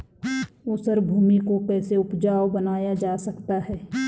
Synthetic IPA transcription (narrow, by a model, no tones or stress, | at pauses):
oːsəɾbʱuːmikokɛːseʊpd͡ʒaːwbənaːjad͡ʒaːsɐkt̪aɦɛː